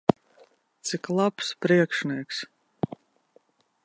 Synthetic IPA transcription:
t̪siklˠapspɾiɛkʃniɛks

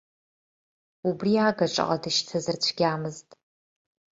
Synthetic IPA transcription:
ubriaːɡɐʈ͡ʂʼɨ̰qʼadɨʃtʰɐzɨrt͡ɕʷʰɡʲaːmɨztʼ

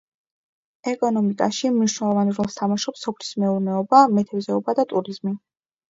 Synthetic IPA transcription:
ɛkʼɔnɔmikʼa̰ʃimniʃnɛlˠɔvanɾɔlˠst̪ʰamaʃɔpsɔpʰlismɛuɾnɛɔbamɛt̪ʰɛbzɛɔbad̪at̪ʼuɾizmi

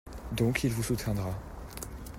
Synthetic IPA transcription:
d̪ɔ̃kʰilvusut̪jɛ̃d̪ʁa

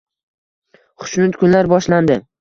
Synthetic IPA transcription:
χʊ̥ʃnʊt̪kʰʊnlaɾbɒʃland̪ɪ

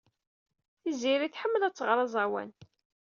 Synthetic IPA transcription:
θiziɾiθħəmːəlæt͡sːʁɾˤɑzˤɑwæ̰n

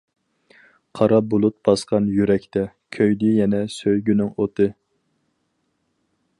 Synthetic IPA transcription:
qʰɑɾɑbolˠut̪̚bɑsqɑnjyɾɛkʲt̪ɛ | kʲʰøjd̪ɪjɛnɛsøjɡʲynɪŋot̪ɨ

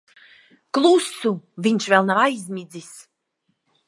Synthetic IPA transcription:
klˠusuvinʲʃvɛlˠnavajzʲmʲid͡z̪is

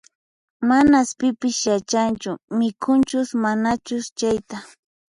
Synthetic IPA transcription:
manaspɪpɪsjat͡ʃant͡ʃʊmɪkʰʊnt͡ʃʊsmanat͡ʃʊst͡ʃajt̪a

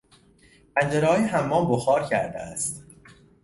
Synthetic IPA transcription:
pʰænd͡ʒeɾeɒːjeɦæmːɒːboxɒːɾcʰæɾd̪ḛæst̪

